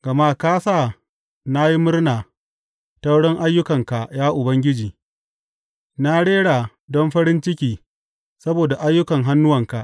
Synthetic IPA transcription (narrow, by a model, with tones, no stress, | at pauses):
ɡ̥ɐ˨ma˦kaː˦saː˦˨ | na˦ji˦mʊ˦rnaː˨ | ta˦wɽɪ˦ŋʔa˦jːʊ˦kɐ˨ŋka˨jaː˦ʔʊ˨bɐ˦ŋɡʲɪ˦d͡ʒiː˨ | na˦ɽeː˦ɽaː˨ | dɔ˦mɸɐ˦ɽɪ˦nt͡ʃɪ˦kʲiː˨ | sɐ˦boː˨da˨ʔa˦jːʊ˦kɐ˨ŋɦa˦nːʊ˦wɐ˨ŋka˨ʔ